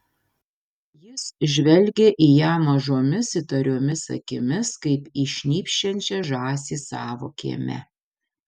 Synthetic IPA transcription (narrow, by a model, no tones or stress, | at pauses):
jɪsʒʲʋʲɛlʲɡʲeʔijæːmɐʒoːmʲɪsɪt̪ɐɾʲoːmʲɪsɐ̰kʲɪmʲɪskɐɪpiʃʲnʲiːpʲʃʲt͡ʃʲɛnʲt͡ʃʲɛʒɑːsʲiːsɑːʋo̰kʲḛːmʲɛ̰